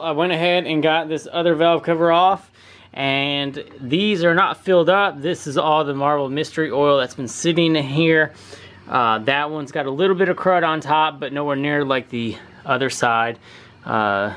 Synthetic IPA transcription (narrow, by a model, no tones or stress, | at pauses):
aɪwɛ̃ɾ̃ɨɦɛɾɨ̃nɡɑt̪̚ðɪsʌðə˞vɛlˠv̥kʰʌvə˞ɔf | ʔɨ̃nðizə˞nətfɪlˠdʌp̚ðɪsɨzɔlˠðəmɑɹvl̩ˠmɪstə˞iʔɔɪlˠðɨtsb̥ɨ̃n̩sɪɾɪ̃ŋɦiɹ | ʌðɨt̚wʌ̃nzɡɑɾəlɪɾl̩ˠbɪɾʌv̥kʰɹ̥ʌɾn̩tʰɑp̚b̥ʌtⁿnoʊwɛɹnɪɹlaɪk̚ði | ʌðə˞saɪd̥̚ | ʔʌ̰